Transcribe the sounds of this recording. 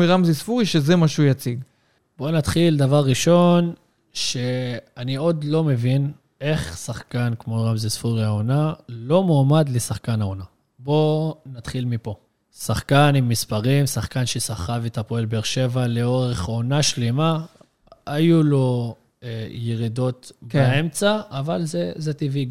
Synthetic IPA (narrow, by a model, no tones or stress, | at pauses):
iʁamzisfuʁiʃezemaʃeujat͡siɡ | b̥o̞nat̪χild̪avaʁːiʃo̞n | ʃe̞anio̞d̪lo̞me̞vin | e̞χsaχkankmoʁamzisfuʁiaonalo̞momad̪lesaχkanaona | bo̞nat̪χilmipo̞ | saχkanimːispaʁimsaχkanʃesaχavet̪hapoelbeːʁʃe̞valeo̞ʁe̞χo̞naʃlema | ajulo̞ | jeʁid̪o̞t̪beemt͡saːvalzezet̪iviɡ